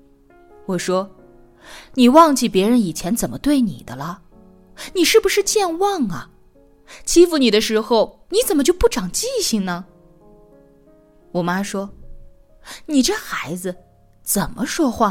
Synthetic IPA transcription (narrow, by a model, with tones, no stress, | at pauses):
wɔ˨˩ʂwɔ˥ | ni˨˩wɑ˥˧ŋt͡ɕi˥˩pjɛ˧˥ɻə˧˥ni˨˩t͡ɕʰjɛ˧˥nt͡sə˨˩nmə˦t̪we˥˩ɪnḭ˨˩d̪ə˦lɐ˧ | ni˨˩ʂɻ̩˥˩bu˩ʂɻ̩˥˧t͡ɕjɛ˥˧nwɑ˥˩ŋɐ˩ | t͡ɕʰi˥fu˧˩ni˨˩d̪ə˦ʂɻ̩˧˥xo˥˧ʊ | ni˧˥t͡sə˨˩nmə˦t͡ɕjo˥˧ʊpu˥˩ʈ͡ʂɑ˨˩ŋt͡ɕi˥˧ɕi˧˩ŋnə˩ | wɔ˨˩ma˥ʂwɔ˥ | ni˨˩ʈ͡ʂɤ˥˩xa˧˥ɪd͡zɹ̩˧ | t͡sə˨˩nmʔə˦ʂwɔ˥xwa˥˩